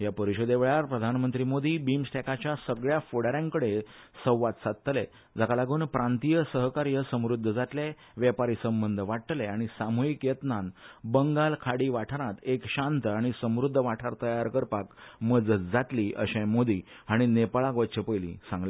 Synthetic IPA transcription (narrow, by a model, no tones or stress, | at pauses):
japəɾiɕod̪eʋeɭaɾpɾəd̪ʱanmənt̪ɾiːmod̪ʱiːbimsʈekat͡ɕjasəɡɭjafoɽaɾjãŋkəɽe | səwʋat̪sat̪̚t̪ːle | d͡zakalaɡuːnpɾãnt̪ijəsəɦkaɾjəsə̃mɾud̪ʱːəd͡zaʈ̪le | ʋjəpaɾiːsəmbənd̪ʱəʋaʈʈleaɽ̃isamojikjət̪nanbəŋɡalkʰaɽiːʋaʈʰɾãt̪ekɕãnt̪əaɽ̃isə̃mɾud̪ʱːəʋaʈʰaɾt̪əjaɾkəɾpakməd͡zət͡sd͡zatliːʔə̰ɕẽmod̪ʱiː | aɽ̃inepaɭakʋətːɕəpəjlḭ̃sãŋɡle